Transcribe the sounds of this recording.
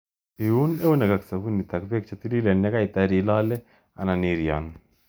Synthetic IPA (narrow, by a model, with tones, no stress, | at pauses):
i˨u˦ne˦u˦nɛ˨ka˨ksa˨fu˦nːi˨t̪a˨kpɛ˦k̚t͡ʃa˨t̪i˦li˦lɛ˨nːɛ˦ka˦i˨t̪a˦ɾi˨lɔ˦lɛ˦ | a̰˨na˨niɾjɔ̰˨n